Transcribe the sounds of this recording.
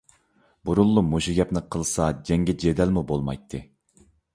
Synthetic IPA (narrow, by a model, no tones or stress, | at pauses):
buɾulˠːumuʃiɡʲɛpnɪqʰəlˠsɑd͡ʒɛŋɡʲɛd͡ʒed̪ɛlmubolˠmɑ̰jt̪ʰːɨ